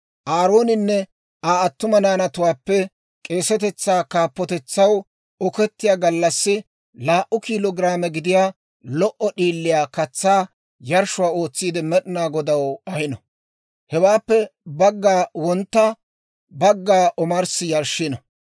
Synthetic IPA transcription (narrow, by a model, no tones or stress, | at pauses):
ʔaːɾo̞ːnɪnːɛ | aːɐt̪ːʊmɐnaːnɐt̪ʊwaːpːɛ | kʼe̞ːsɛt̪ɛt͡sːaːkaːpːɔt̪ɛt͡sːɐw | ɔkɛt̪ːɪjaːɡɐlːɐsːɪ | laːʔʊkiːlɔɡɪɾaːmɛɡɪd̪ɪjaː | lɔʔɔɗiːlːɪjaːkɐt͡sːaː | jɐɾʃʊwaːo̞ːt͡sːiːd̪ɛmɛɗɪnaːɡɔd̪ɐwɐhɪnɐ | hɛwaːpːɛbɐɡːaːwɔnt̪ːa | bɐɡːaːʔɔmɐɾsɪjɐɾʃːɪnɐ